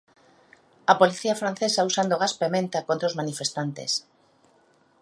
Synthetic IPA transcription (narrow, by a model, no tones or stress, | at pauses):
ɐpoliθiɐfɾan̟θesausand̪oɣaspemẽnt̪akõnt̪ɾozmanifest̪ant̪ḛs